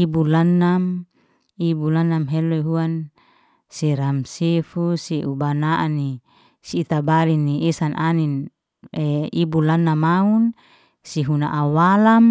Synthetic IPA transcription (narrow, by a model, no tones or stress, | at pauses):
ibulanːam | ibulanamɦeloiɦuan | siɾamsifusiʔubanaʔani | siːt̪abaliniʔesanʔanin | eibulanamaun | siɦuna̰ʔawalam